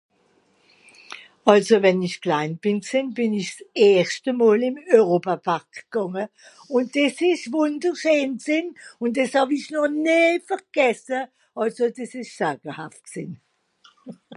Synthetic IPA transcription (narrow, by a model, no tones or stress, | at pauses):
ɑlsovɛniçklaɪnb̥ɪnksɪnbɪnɪçsɛːstəmɔːlɪmœʁoːpapʰaʁkɡ̥ɑŋə | ʊnt̚d̥esɪʃvʊndəʁʃøːnksɪnʊnd̥eshɑfɪçnɔχneːfəʁɡ̥ɛsə | ʔɑlsodesɪʃsaːɡəhaft̚ksɪn